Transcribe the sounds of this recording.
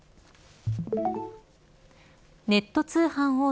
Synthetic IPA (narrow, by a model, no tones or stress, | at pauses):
ne̞t̪ːo̞t͡sɨːhãɰ̃hoː